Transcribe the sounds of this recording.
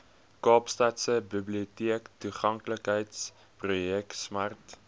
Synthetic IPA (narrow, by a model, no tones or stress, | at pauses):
kɑːpstɑtsəbəbliotiəktuχɐŋkləkɦəjts | prujɛksmɐrt